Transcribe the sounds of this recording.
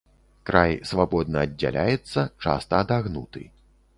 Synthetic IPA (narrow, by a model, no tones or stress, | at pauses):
kɾajsvabɔd̪̚nɐːdʲːa̰lʲajɛt̪sːɐt͡ʂa̰st̪ɐːd̪aɣnut̪ɨ̰